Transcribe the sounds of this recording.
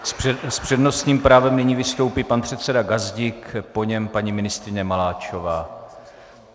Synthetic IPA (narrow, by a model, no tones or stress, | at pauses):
sspr̝̥ɛdno̞st̪ɲiːmpɾaːvɛmnɪɲiːvɪst̪o̞wpiːpanpr̥ɛt̪t͡sɛdaɡazɟɪkpo̞ɲɛmpaɲimɪnɪst̪ɾɪɲɛmalaːt͡ʃo̞vaː